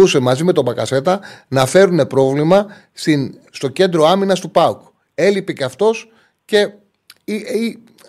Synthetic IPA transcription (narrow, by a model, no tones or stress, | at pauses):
use̞mɐzime̞t̪o̞bɐkɐse̞t̪ɐnɐfe̞ɾune̞pɾo̞vlimɐ | st̪inst̪o̞ce̞nd̪ɾo̞ɐminɐst̪upɐuk | e̞lipeceɐft̪o̞s | ce̞ | ii